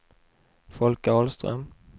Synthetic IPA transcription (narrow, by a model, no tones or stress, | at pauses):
fɔlkaɔlst̪ɾœ̰m